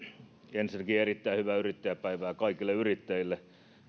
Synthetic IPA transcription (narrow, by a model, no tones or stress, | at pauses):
ensinækiːerit̪ːæihyʋæːyrit̪ːæjæpæiʋæːkɑikilːeyrit̪ːæilːe